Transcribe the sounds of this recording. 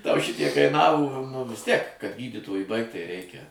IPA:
tɐʊ ˈʃʲɪtʲiɛk kɐɪˈnɑːʋoː nʊ ʋʲɪs ˈtʲiɛk kɐt ˈɡʲiːdʲiːtoːjʊ ˈbɐɪkt tɐɪ ˈrʲɛɪkʲɛ

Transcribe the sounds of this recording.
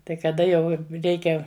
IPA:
tɐɪ kɐˈdɐ jɛʊ ˈrʲɛɪkʲɛ

